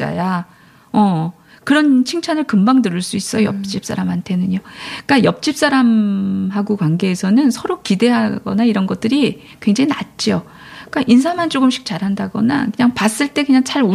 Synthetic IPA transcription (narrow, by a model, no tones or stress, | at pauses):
a̰ja | ʌ | kɯɾʌnt͡ɕʰiŋt͡ɕʰanɯɭkɯmbaŋdɯɾɯɭs͈uis͈ʌjʌp̚t͡ɕ͈ip̚s͈ʰa̰ɾamɦantʰe̞nɯɲok͈ajʌp̚t͡ɕ͈ip̚s͈aɾamɦaɡokwaŋɡe̞ːsʰʌnɯnsʰʌɾokide̞ɦaɡ̥ʌ̰naiɾʌnɡʌt̚t͈ɯɾi | kwe̞ŋd͡ʑaŋinat̚t͡ɕ͈io | k͈aʔinsʰamant͡ɕ͈oɡɯmɕʰi̥k̚t͡ɕaɾɦandaɡʌ̰na̰kɯɲaŋpas͈ɯɭt͈e̞kɯɲaŋt͡ɕaɾo